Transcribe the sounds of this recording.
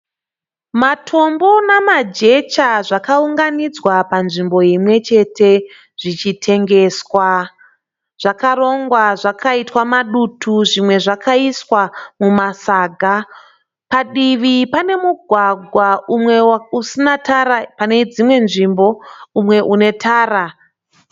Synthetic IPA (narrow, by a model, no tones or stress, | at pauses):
matʰo̞mbo̞namad͡ʒe̞t͡ʃaʐakauŋɡanid͡zwapanʐimbo̞jimwe̞t͡ʃe̞tʰe̞ | ʐ̥it͡ʃitʰe̞ŋɡe̞ːswa | ʐ̥akaɾo̞ŋɡwaʐakʰaitwamaɗutʰuʐimwe̞ʐakaiswamumasaːɡʱa | paɗiʋipane̞muɡʱwaɡʱwaumwe̞usinataɾapane̞d͡zimwe̞nʐimbo̞umwe̞ʔune̞tʰaːra